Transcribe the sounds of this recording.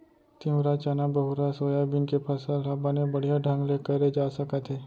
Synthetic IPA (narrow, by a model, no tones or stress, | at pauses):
t̪iũɾat͡ʃaːnabɐɦʊɾasoːjabɪnkepʰɐsəlɦɐbanebɐɽ̤ijaɖʱɐ̃ŋɡlekəɾed͡ʒaːsɐkət̪ʰɦeː